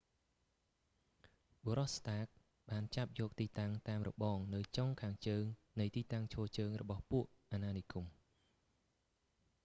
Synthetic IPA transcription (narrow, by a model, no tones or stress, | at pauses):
ɓoɾɑhst̪aːk̚ | ɓaːnt͡ɕap̚jɔːk̚t̪iːt̪aŋt̪aːmrɔ̰ɓɑːŋnɨwt͡ɕoŋkʰaːŋt͡ɕəːŋ | nɨjt̪iːt̪aŋt͡ɕʰɔːt͡ɕəːŋrɔ̰ɓɑhpuəʔʔanaːnikum